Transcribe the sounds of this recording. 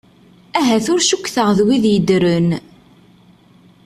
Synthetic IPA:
æɦæθʊɾʃukːθəʁðwiðjəd̪ɾən

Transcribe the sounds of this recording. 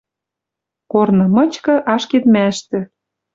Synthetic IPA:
kornɤ̆mɤ̆t͡ɕkɤ̆ʔɑʃket̪mæʃt̪ɘ̆

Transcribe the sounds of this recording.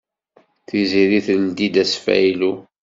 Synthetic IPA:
θiziɾiθld̪id̪æsfæ̰ilu

